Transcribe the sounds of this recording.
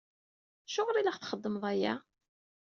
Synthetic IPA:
ʃʊʁɾiləχθχəd̪ˤːəmðˤæjæ̰

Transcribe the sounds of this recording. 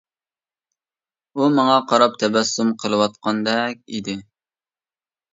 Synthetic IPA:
umɑŋɑqʰɑɾɑp̚t̪ʰɛbɛsːumqʰəlˠɨwɑt̪̚qʰɑnd̪ɛk̚ʲḭd̪ɪ

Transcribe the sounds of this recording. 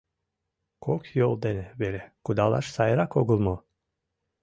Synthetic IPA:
kʰokʰjolˠd̪enɛbeɾɛkud̪alˠa̰ɾsajaɾakʰoɡulˠmu

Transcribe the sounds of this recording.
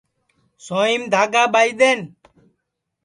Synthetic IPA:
soimd̪ʱaːɡaːbajd̪en

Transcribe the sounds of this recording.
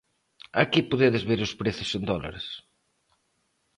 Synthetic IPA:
akipoðeðezβeɾʊspɾeθʊsend̪ɔla̰ɾs

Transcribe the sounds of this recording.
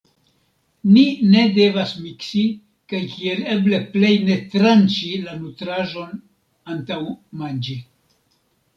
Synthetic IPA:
nine̞de̞vasmiksi | kajkie̞le̞ble̞ple̞jne̞tɾant͡ʃilanutɾaʒo̞n | antawmand͡ʒi

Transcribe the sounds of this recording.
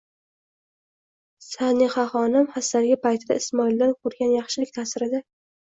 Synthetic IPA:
sanɪχɑχɒnɪmhasːaɾɡʲɪpʰajt̪ʰɪd̪aɪsmɒɪld̪anqʰoɾɡʲanjɑχʃɪlɪk̚ʲt̪ʰaːsɪɾɪd̪a

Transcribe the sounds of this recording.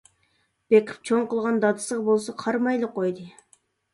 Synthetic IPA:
b̥ekʲʰɪ̥p̚t͡ʃʰoɴqəlˠʁɑnd̪ɑd̪ɨ̥səʁɑbolˠsɑqʰɑɾmɑjlˠəqʰːojd̪ɨ

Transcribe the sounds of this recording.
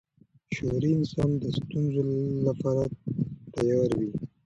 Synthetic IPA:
ʃoɾiɪnsɑnd̪əst̪unzolapɑɾat̪ajɑɾwi

